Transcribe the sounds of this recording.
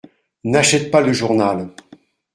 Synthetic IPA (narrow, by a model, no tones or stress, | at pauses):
naʃɛt̪̚paləʒuʁnal